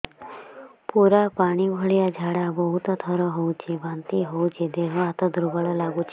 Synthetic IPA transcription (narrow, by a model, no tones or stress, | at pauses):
puɾapaɽ̃ibʱɔɭijad͡ʒʱaɽabɔɦut̪ɔt̪ʰəɾɔɦout͡ʃʰeʋant̪iɦout͡ʃʰed̪eɦɔat̪ɔd̪ɾubəɭɔlaɡut͡ʃʰe